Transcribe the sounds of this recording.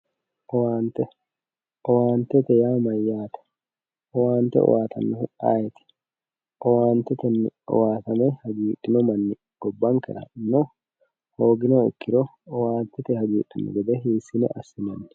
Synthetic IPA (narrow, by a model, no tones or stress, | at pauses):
ʔɔwaːnt̪ɛ | ʔɔwaːnt̪ɛt̪ɛjaːmɐjːaːt̪ɛ̥ | ʔɔwaːnt̪ɛ̰ɔ̰waːt̪ʰɐ̰nːɔʊa̰ːjɛt̪ɪ̥ | ʔɔwaːnt̪ɛt̪ɛnːɔ̰waːt̪ɐmɛhɐɡiːᶑɪnɔmɐnːɪ | ɡ̥ɔbːɐŋkɛ̰ɾɐ̰nːɔ | hoːɡɪnɔɔkːɪɾɔ | ɔwaːnt̪ɛt̪ɛhɐɡiːᶑːɪnʊ̰ɡɛd̪ɛɦiːsɪnɛ̰ʔɐsːɪnɐnːɪ̥